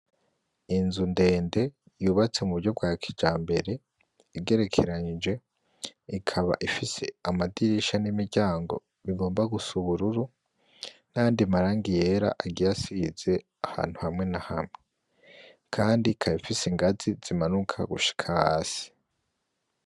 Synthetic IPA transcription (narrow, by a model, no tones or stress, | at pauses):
inzunde̞ːnde̞ | juːβat͡se̞muβuɾɟo̞b̚ɡaːkʰid͡ʒaːmbe̞ɾe̞ | iɡe̞ɾe̞kʰe̞ɾaɲid͡ʒe̞ | ikʰaβa̰ʔifise̞amadiɾiʃanimiɾɟaːŋɡo̞̰ | βiɡo̞ːmbaɡusuβuɾuɾu | naaːndiamaɾaːŋɡije̞ɾa̰ʔaɡijasiz̥e̞ | aha̰ːn̥huhamŋe̞nahamŋe | kʰaːndikʰaβifisiŋɡaziz̥imanukʰa̰ɡṵʃi̥kʰahaːsi̥